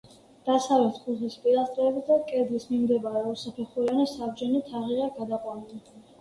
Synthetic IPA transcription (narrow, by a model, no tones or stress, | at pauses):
d̪̥asavɛt̪ʰkʰʼuʁispʼiɾast̪ʼɾɛːbsd̪akʼɛd̪lismimd̪ɛbaɾɛusapʰɛχuɾianisabd͡ʒɛnit̪ʰaʁiʁɛɡad̪aqʼwanili